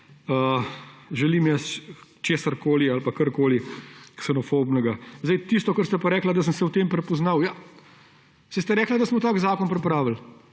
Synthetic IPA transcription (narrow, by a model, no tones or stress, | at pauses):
ə | ʒɛliːmjɛst͡ʃeːsaɾkoːlialpakəɾkoːliksɛnɔfobnɛɡazd̪ɛjt̪ist̪ɔkəɾst̪ɛpɐɾɛːklad̪ɐs̬əmsɛwt̪eːmpɾɛpɔznawja | sɛst̪ɛɾɛːklad̪asmɔt̪aːɡzaːkɔnpɾɛpɾaːʋəl